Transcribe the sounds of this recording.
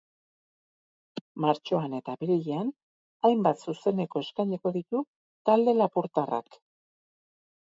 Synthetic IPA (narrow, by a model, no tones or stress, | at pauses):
maɾt͡ʃo̞ane̞t̪aβiɾiʎean | ajmbat̪suse̞ne̞ko̞e̞skajɲeko̞ðit̪u | t̪ald̪e̞lapuɾt̪ara̰k